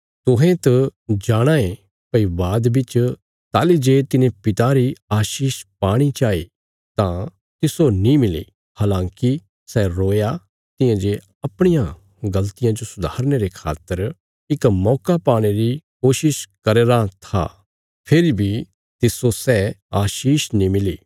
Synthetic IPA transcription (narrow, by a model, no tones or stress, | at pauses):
t̪ʊɦẽt̪ɐd͡ʒaːɽ̃aːẽ | pɐibaːd̪bɪt͡ʃ | t̪aːlid͡ʒeːt̪ɪnẽpɪt̪aɾiaːʃiːʃpaːɽ̃it͡ʃaːḭ | t̪ã | t̪ɪsonĩmɪlḭ | haːlãːki | sɛɾoːja | t̪ɪ̃ãd͡ʒe | ɐpɽ̃ijã | ɡɐlt̪ɪjãd͡ʒosʊd̪ʱaːɾneɾekʰa̰ːt̪ːəɾ | ɪkmɔːkapaːɽ̃eɾikoːʃɪʃkɐɾeːɾat̪ʰa̰ | pʰɪɾibʱi | t̪ɪsosɛaːʃiːʃnĩmɪliː